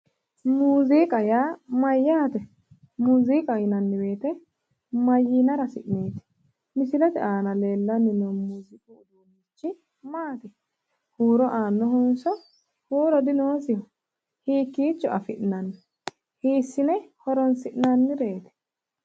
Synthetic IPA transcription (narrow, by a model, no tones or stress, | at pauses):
muːzikʼɐjaːmɐjːaːt̪ɛ | muːziːkʼɐjɪnɐnːɪbeːt̪ɛ | mɐjɪnɐɾɐsɪʔneːt̪ɪ̥ | mɪsɪlɛt̪ɛʔaːnɐle̞ːlːɐnːɪnɛmuːzɪkʼʊʊd̪unːit͡ʃːɪ | maːt̪ɛ | huːɾɔʔaːnːɔhʊnsɔ | huːɾɔd̪ɪnoːs̬ɪjɔ | hiːkːiːt͡ʃːɔʔɐfɪʔnɐnː | hiːsːɪnɛhɔɾɔnsɪʔnɐnːɪɾeːt̪ɛ̥